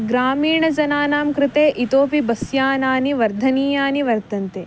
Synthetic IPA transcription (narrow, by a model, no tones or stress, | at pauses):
ɡɾaːmiːɳɐd͡ʒɐnaːnaːmkɾɪt̪eːʔit̪oːpibɐsjaːnaːniʋɐɾd̪ʱɐniːjaːniʋɐɾt̪ɐnt̪eː